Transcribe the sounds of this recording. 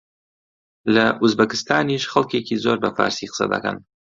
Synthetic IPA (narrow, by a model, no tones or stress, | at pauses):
lɐʔuzbɐkɨ̥st̪aːniːʃxɐlˠkeːciːzoːɾbɐfa̰ːɾsiːqə̥sɐ̰d̪ɐ̰kɐ̰n